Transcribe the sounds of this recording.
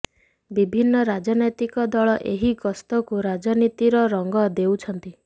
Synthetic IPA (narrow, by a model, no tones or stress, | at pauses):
bibʱinːɔɾad͡ʒɔnɔjt̪ikɔd̪ɔɭɔʔeɦiɡɔst̪ɔkuɾad͡ʒɔnit̪iɾɔɾɔŋɡɔd̪ewt͡ʃʰɔnt̪i